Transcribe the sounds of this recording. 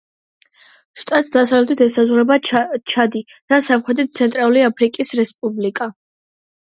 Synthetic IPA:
ʃt̪ʼat̪̚ʰd̪asavlɛt̪ʰit̪ʰɛsazʁuɾɛbat͡ʃʰad̪i | d̪̥asamχɛd̪it̪̚t̪sʰɛnt̪ʼɾalˠuliapʰɾikʼisɾɛspʼublikʼa

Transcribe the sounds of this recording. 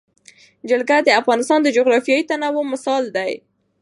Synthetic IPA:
d͡ʒalɡad̪əafɣɑnɪst̪ɑnd̪əd͡ʒoɣɾɑfjɑit̪anawomɪsɑld̪aj

